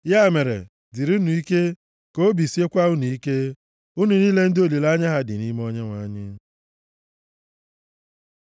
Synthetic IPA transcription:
ja˦˨me˨ɾḛ˨ | di˨ɾu˦nu˨i˦ke˦ | ko˦bi˨si˦e˦kʷa˦u˦nu˨i˦ke˦ | u˦nu˨ni˦le˦n̩˦do˦li˨la˦ɲa˦ɦa˦dɪ̰˨ni˦m˦o˦ɲe˦ŋʷa˨˦ɲɪ˦

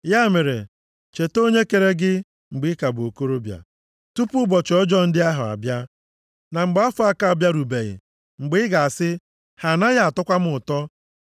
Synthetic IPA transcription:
ja˦me˨ɾe˨ | t͡ʃe˨to˦ɲe˦ke˨ɾe˦ɡɪ˦ | ŋ͡m̩˨ɡ͡bɪ˦ka˨bo˨ko˦ɾo˦bja̰˨ | tu˦pu˦bɔ˨t͡ʃɔ˦d͡ʒɔ˦n̩˦dɪ˦a˦ɦʊ˨a̰˨bja˦ | na˨ŋ͡m̩˨ɡ͡ba˦fʊ˦a˦ka˦˨a˨bja˦ɾu˨be˨ɣɪ̰˨ | ŋ͡m̩˨ɡ͡bɪ˦ɪ˦ɡa˨a˨sɪ˦ | ha˨na˦ja˦a˨tʊ˦kʷa˦m̩˦ʊ˨tɔ˦

